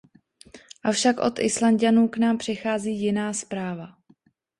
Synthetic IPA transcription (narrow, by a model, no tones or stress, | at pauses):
ʔafʃakʔo̞t̪ʔɪ̰slanɟanuːknaːmpr̝̥ɪxaːziːjɪnaːspɾaːva